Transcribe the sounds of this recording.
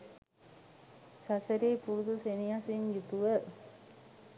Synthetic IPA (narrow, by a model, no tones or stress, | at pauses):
sasəɾeːpuɾud̪usenijasimjut̪uʋə